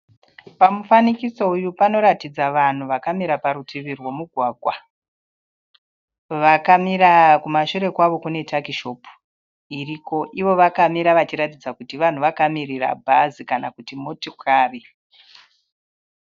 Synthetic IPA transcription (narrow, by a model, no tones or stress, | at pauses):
pamufanikiso̞ujupano̞ɾatid͡zaʋan̤uʋakamiɾapaɾutʰiʋirwo̞muɡʱwaːɡʱwa | ʋakamiɾakumaʃuɾe̞kwaʋo̞kune̞takiʃo̞pu̥ | iriko̞ʔiʋo̞ʋakamiɾaʋat͡ʃiɾatid͡zakutiʋan̤uʋakamirira̰bʱazikanakutimotikaːri